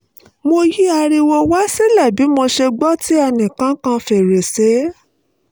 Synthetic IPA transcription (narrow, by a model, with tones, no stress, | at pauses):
mo˧ji˦a˧ɾi˧wo˧wa˦si˦lɛ˦˨bi˨˦mo˧ʃe˧ɡ͡bɔ˦ti˦ɛ˧nĩ˨kã˦kã˧fe˨ɾe˨se˨˦